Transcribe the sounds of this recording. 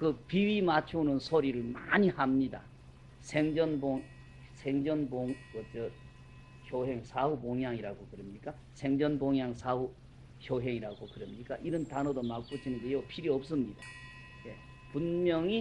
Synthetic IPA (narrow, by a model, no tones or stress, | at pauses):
kɯpiɥimat͡ɕʰonɯnsʰoɾiɾɯɭmaɲihamɲida̰ | sʰeŋd͡ʑʌnboŋ | sʰeŋd͡ʑʌnboŋkʌt͡ɕʌ | çjoɦeŋsʰauboŋjaŋiɾaɡokɯɾemɲik͈a | sʰe̞ŋd͡ʑʌnboŋjaŋsʰau | çjoɦe̞ŋiɾaɡokɯɾeʌmɲik͈aʔiɾʌntanodomak̚k͈ut͡ɕʰinɯnɡe̞jopʰiɾiʌp̚s͈ɯmɲida | je̞ | punmjʌŋi